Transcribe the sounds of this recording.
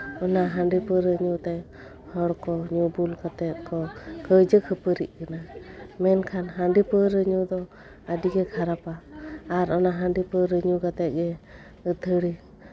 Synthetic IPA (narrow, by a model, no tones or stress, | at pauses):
ɔnaɦaɳɖipəɾəɲut̪ɛj | hɔɽkɔɲubulɡat̪ɛt̪̚kɔkəjd͡ʒəkʰəpəɾḭʔ̚kanamɛnkʰanɦaɳɖipəɾəɲud̪ɔ | adiɡɛkʰaɾapaːɾɔnaɦaɳɖipəɾəɲuɡat̪ɛt̪̚ɡɛ | əd̪ʰʱəɽi